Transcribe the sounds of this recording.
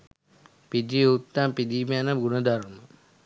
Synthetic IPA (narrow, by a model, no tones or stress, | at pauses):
pid̪iut̪ːaːmpid̪imanɐɡunɐd̪aɾmɐ